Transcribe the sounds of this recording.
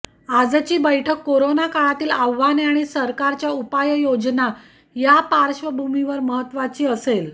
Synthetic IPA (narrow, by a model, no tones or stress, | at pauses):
ad͡zt͡ɕiːbəjʈʰəkːoɾonakaɭat̪iːlaʋːaneaɽ̃isəɾkaɾt͡ɕjaupajəjod͡zna | japaɾɕʋəbʱumiʋəɾməɦət̪ːʋat͡ɕiːəsel